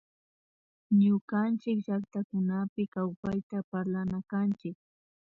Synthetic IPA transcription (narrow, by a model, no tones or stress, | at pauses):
ɲʊkant͡ʃɪkʒak̚t̪akʊnapɪkawpajt̪apaɾlanakant͡ʃɪk̚